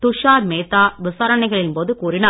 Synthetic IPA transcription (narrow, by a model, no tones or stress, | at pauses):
t̪ʊʂaːɾmeːt̪ːaːʋɪsaːɾɐnɐɪɣɐɭɪnpoːðɯkuːɾɪnɐ